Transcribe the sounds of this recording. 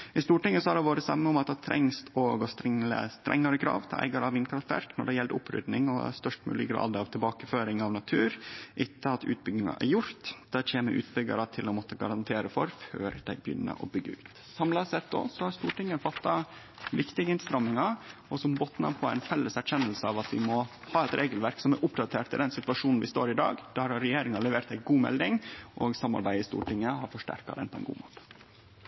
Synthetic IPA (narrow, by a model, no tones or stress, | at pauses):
ɪst̪uːʈɪŋːəsɔhɑɖɛʋoːɾəsɑmːəʊmɑt̪̚d̪ɑt̪ʰɾɛ̰ŋsɔɡɔst̪ɾɪə̰st̪ɾʔɛ̰ŋːɑɾəkʰɾɑ̰ːʋt̪ʰɪlæ̰ɪɡɑɾəɑʋɪnkʰɾɑft̪ʋæ̰ɾknɔ̰ɖɛjɛld̪ʊ̰pʰːɾʏ̰d̪nɪŋɔ̰st̪œʂʈmʉ̰ːlɪɡɾɑ̰ːd̪ɑʋt̪ʰɪlbɑːkəføːɾɪŋɑʋnɑt̪ʰʉːɾʔɪt̪ːəɑt̪ʉ̰ːt̪̚bʏɡnɪŋɑ̰ʔæ̰ɾjʊɾt̪d̪̥ɛt͡ɕeːməʔʉ̰ːt̪bʏɡɑ̰ɾɑt̪ʰɪlɔmɔt̪ːəɡɑ̰ɾɑnt̪ʰeːɾəfɔɾføːɾd̪æɪbjʏ̰nːə̰ɾʔɔ̰bʏɡːəʉːt̪ | sɑmlɑsɛt̪ːɔ̰sɔhɑɾst̪uːʈɪŋːəfɑt̪ːɑ | ʋɪkt̪ɪɡəɪnst̪ɾɑmːɪŋɑɔsɔmbɔt̪nɑ̰pʰɔæɪnfɛlːəsæɾçɛnːəlsəɑʋɑt̪ʋɪ̰mɔ | hɑːɛt̪ɾʔeːɡəlʋæɾksɔmæɾʔʊpd̪ɑt̪ʰeːʈ̪ɪld̪ɛnsɪt̪ʋɑʂuːnn̩ʋɪst̪o̰ːɾɪd̪ɑ̰ːɡd̪̥æɾhɑɾːɛjeːɾɪŋɑlɛʋeːɾt̪æɪɡuːmɛ̰ld̪ɪŋʔɔːɡsɑmːɑ̰ɾbæɪɪst̪ṵːʈɪŋːəɦɑɾfɔʂʈæ̰ɾkɑ̰d̪ɛnpʰɔɛ̰ɪnɡṵːmoːt̪